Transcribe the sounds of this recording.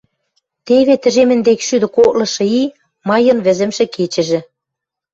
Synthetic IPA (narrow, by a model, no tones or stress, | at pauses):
t̪eβet̪ɘ̆ʒemɘ̆nd̪ekʃyd̪ɘ̆kok̚lɤ̆ʃɤ̆i | mɑjɤ̆nβɘ̆zɘ̆mʃĕket͡ɕɘ̆ʒɘ̆